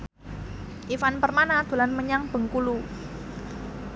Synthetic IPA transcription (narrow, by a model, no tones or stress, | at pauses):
ʔifanpərmanad̪̥ṳlanməɲaŋb̥ə̤ŋkulu